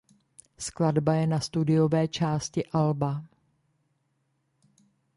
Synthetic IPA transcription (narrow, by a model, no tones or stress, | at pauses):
skladbajɛnast̪udɪjo̞vɛːt͡ʃaːscɪʔalba